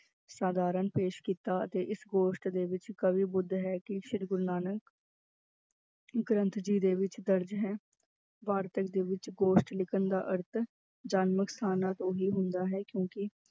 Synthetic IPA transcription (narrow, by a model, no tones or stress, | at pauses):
saːd̪aːɾənpeːʃkiːt̪aːə̰t̪eːʔɪsɡoːʃʈd̪eːʋɪt͡ʃkəʋiːbʊd̪ʱːɦɛːkɪʃɪɾɡʊɾnaːnək | ɡɾə̃nt̪d͡ʒiːd̪eːʋɪt͡ʃd̪əɾd͡ʒɦɛː | ʋaːɾt̪əkd̪eːʋɪt͡ʃɡoːʃʈlɪkənd̪a̰ːʔəɾt̪ʰ | d͡ʒaːnməkst̪ʰaːnãːt̪õːɦiːɦʊnd̪aːɦɛːkjõːkɪ